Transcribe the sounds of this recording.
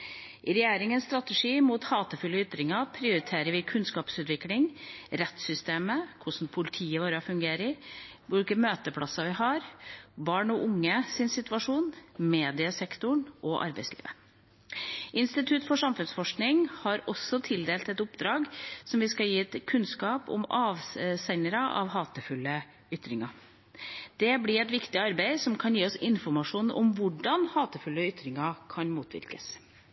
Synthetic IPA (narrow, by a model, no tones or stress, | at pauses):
ʔɪɾɛjeːɾɪŋənst̪ɾɑt̪əʂiːmuːt̪hɑːt̪əfʉlːəʏt̪ɾɪŋɑpʰɾɪʊɾɪt̪ʰeːɾəɾʋɪkʰʉnskɑːpsʉːt̪ʋɪklɪŋɾɛt̪sʏst̪eːməkʰʊʂn̩pʰʊlɪt̪ʰiːəʋoːɾəɔfʉŋɡeːɾəɪʋʊlkəmøːt̪əpʰɽɑsɑʋɪhɑɾbɑːɳɔʔʊŋːəsɪnsɪt̪ʉʋɑʂuːnmeːd̪ɪəsɛkt̪ʊɳʔɔʔɑ̰ɾbɛɪslḭːʋə | ʔɪnst̪ɪt̪ʰʉt̪fɔʂɑmfʉnsfɔʂknɪŋhɑɾɔsːɔt̪ʰɪld̪eːlt̪ɛt̪ʊpd̪ɾɑːɡsɔmʋɪskɑljiːɛt̪kʰʉnskɑːpɔ̰mɑːʋsænəɾɑʔɑ̰ʋɦɑːt̪əfʉlːə | ʏt̪ɾɪŋɑ | d̪̥ɛblɪɾɛt̪ʋɪkt̪ɪɑɾbæɪsɔmkʰɑnjiːɔsɪnfɔɾmɑʂuːnɔ̰mʋʊɖɑnhɑːt̪əfʉlːəʏt̪ɾɪŋɑkʰɑnmuːt̪ʰʋɪ̰ɾkəs